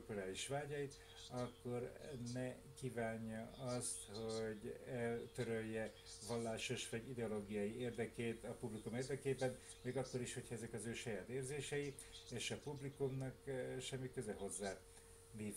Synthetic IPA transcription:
kulaːliʃʋaːɟɒjit̪ | ɒkːo̞rnɛ | kiːvaːɲːɒɒst̪ho̞ɟɛlt̪øɾøjːɛ | vɒlːaːʃo̞ʃʋɒɟid̪ɛoloːɡijɒjieːrd̪ɛkeːt̪ɒpublikumeːrd̪ɛkeːbɛn | meːɡɒkːo̞ɾiʃho̞cʰhɒɛzɛkɒzøːʃɒjaːt̪eːrzeːʃɛji | eːʃɒpublikumnɒkʃɛmːikø̞zɛɦo̞zːaː | liːv

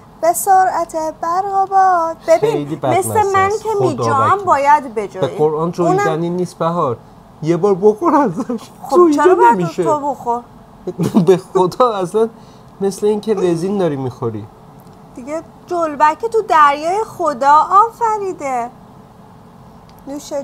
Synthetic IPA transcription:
b̥esoɾæt̪ʰebæɾɣɒbɒb̥ebiejliːbæmesnæemænkʰemiːdd͡ʒɔmbɒːjæd̪be̞d͡ʒɔːeioɾʔɒːnt͡ʃʰonzæniːnːiːst̪bæɦɒɾ | jebɒːɾboxoɾæzæʃxooit͡ʃːʰeɾenemiʃeoboxoɾ | bexod̪ɒːæslæn | me̞sle̞iːŋcʰeleziːnd̪ɒːɾiːmiːxoɾḭ | d̪̥iɡe | d͡ʒolbækʰet̪ʰud̪æɾjɒːjexod̪ɒːʔɒːfæɾiːd̪e | nuʃe

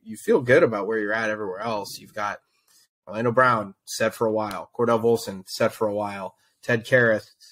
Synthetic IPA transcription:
jɨfilˠɡʊɾɨbaʊt̚wə˞jə˞ɨɾɛvɹiwɛɹɛlˠsjʉvɡɑt̚ | lɛ̃ñobɹãʊ̃nsɛd̥fə˞əwaɪlˠkʰɔɹɾɛvʊlˠsɨ̃nsɛd̥fə˞əwaɪlˠ | tʰɛd̚kʰɛɹɨθ

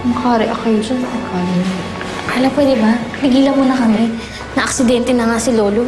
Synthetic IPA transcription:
mɐkaːɾɪʔɐkɐjoʃɐsɐʔɐkaːlɪno | kalɐpwɛd̪ɪbaɐlɪɡiːlɐmunɐkɐmɪ | nɐʔɐksɪd̪ɛnt̪ɛnɐŋasɪloːlo

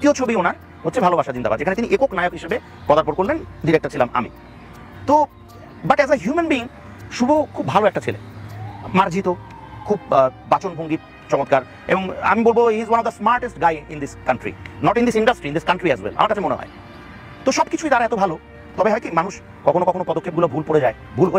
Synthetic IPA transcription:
t̪iot͡ɕʰobionaɾ | ɦotːɕʰebʱalobʱaʃad͡ʑind̪aba̰ɾd͡ʑekʰanet̪iniʔekoknajokɦiʃebe | pɔd̪aɾpoɾkoɾlenɖiɾek̚ʈaɾt͡ɕʰilama̰mḭ | t̪o | baʈɛzəɦjumenbiːŋ | ʃubokʰubʱaloɛk̚ʈat͡ɕʰilḛmaɾd͡ʑʱit̪o | kʰubbat͡ɕonbʱoŋɡi | t͡ɕɔŋot̪kaɾ | ḛboŋa̰mibolboɦizwanɔvd̪əsmaɾʈesʈɡajḭnd̪iskanʈɾḭnɔʈind̪isinɖasʈɾind̪iskaɳʈɾiɛzwɛ̰lʔa̰maɾkat͡ɕʰemonḛɦɔ̰e | t̪oʃɔbkit͡ɕʰuit̪aɾaɛt̪obʱalo | t̪ɔbeɦɔjkimanuʃ | kɔkʰonokɔkʰonopɔd̪okʰːebɡulobʱulpoɽɾed͡ʑae | bʱulɦoe

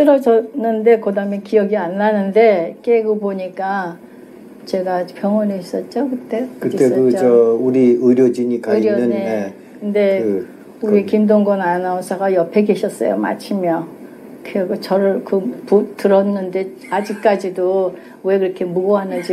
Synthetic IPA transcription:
s͈ɯɾʌd͡ʑʌnːɯnde̞kɯdamjʌnkijʌɡianːanɯnde̞k͈eɡoboɲik͈a | t͡ɕe̞ɡapjʌŋwʌniis͈ʌt̚t͡ɕ͈okɯt͈e̞kɯiekɯʌuɾiɯɾjod͡ʑiɲikaiɾjʌɯnee | kɯnde̞ | uɾikimdoŋɡʌnanʌsʰaɡajʌpʰe̞ɡe̞ɕʰʌs͈ʌ̰jo̰ma̰t͡ɕʰimjʌ | kɯɡot͡ɕʌɾɯɭkɯputɯɾʌnːɯnde̞ | ad͡ʑik̚k͈ad͡ʑido | we̞kɯɾʌkʰe̞muɡoɦanɯnd͡ʑi

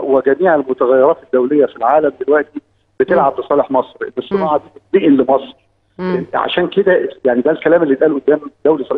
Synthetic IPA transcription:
weɡæmiːʕelmot̪æɣæjːeɾˤɑːt̪ed̪ːæwlejːæfilʕaːlæmd̪elwæʔt̪i | b̥et̪elʕab̚lesˤɑːleħmɑsˤɾʔḛnːesːomʕad̪id̪iːʔenlemɑsˤɾ | ʕa̰ʃæːnked̪æjaʕnid̪ælkælæːmelːiːb̪ʔæːlʔod̪ːæːmd̪æwlisˤɑl

